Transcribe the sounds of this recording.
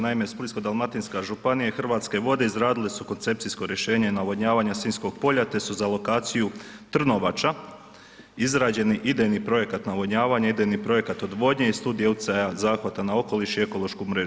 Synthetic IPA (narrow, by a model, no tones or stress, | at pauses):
naimespulisko̞d̪alˠmat̪inskaʒupanijaxr̩ʋaːt̪ske̞ʋo̞d̪e̞izɾaːd̪ilesuko̞nt̪se̞p̚t̪isko̞ɾje̞ʃe̞ːɲenaʋoɲaːʋaːɲasiːnsko̞ɡ̚po̞ʎat̪e̞suzalo̞kaːt̪sijut̪r̩no̞ʋat͡ʃa | izɾaːd͡ʑe̞niʔid̪ejnipɾo̞je̞kat̪naʋo̞ɲaːʋaɲaid̪ejnipɾo̞je̞kat̪o̞d̪ʋo̞d̪ɲeist̪uːd̪ijeut̪ʲi̥t̪sajazaːxʋat̪anao̞ko̞liʃie̞ko̞lˠo̞ʃkumɾeːʒ